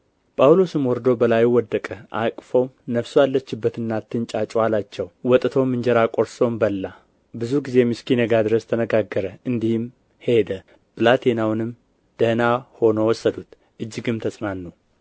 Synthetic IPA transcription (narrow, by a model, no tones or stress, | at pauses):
pʼawlo̞sɨmwɔɾd̪o̞bəlajwɔd̪ːəkʼəʔa̰kʼfo̞nəfsualːət͡ʃːɪbːət̪ɨnːat̪ːɨnt͡ʃʼat͡ʃʼalat͡ʃːɛwwɔt̪ʼɨt̪ʰo̞mɨɲd͡ʒɛɾakʼo̞ɾso̞mbəlːa | bɨzuɡize̞mɨskinəɡad̪ɨɾəst̪ʰənəɡaɡːəɾəɨnd̪ihɪm | he̞d̪ə | bɨlat̪ʰenawnɨm | d̪̥ənaho̞nowɔsːəd̪ut̪ | ʔɨd͡ʒːɨɡɨmt̪ʰəsʼmanːu